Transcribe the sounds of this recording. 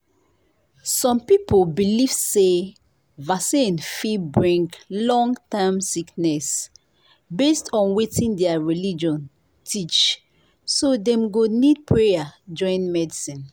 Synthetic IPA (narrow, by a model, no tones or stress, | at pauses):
sɔ̃mpipʰolbiliv̥se | vasĩnfibɹĩŋklɔ̃ŋtãmsiknɛs | bestɔ̃nwetĩndɛaɹilid͡ʒɔ̃n | tʰit͡ʃ | sodɛ̃mɡonid̚pʰɹejad͡ʒɔ̃ɪ̃nmɛdisĩn